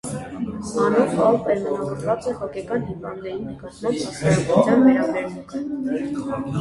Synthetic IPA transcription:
ɑnɔtɑlpɛɾmənɑvɔɾvɑt͡sɛhɔkɛkɑnɦivɑnd̪ːɛɾinəkɑt̪mɑmbisɑɾut̪ʰjɑnvɛɾɑbɛɾmuŋkʰə

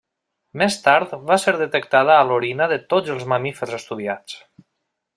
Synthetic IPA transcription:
mest̪aɾt̪βaseɾðət̪ək̚t̪að̞əːloɾinəðət̪od͡zəlˠzməmifəɾzəst̪uðiat͡s

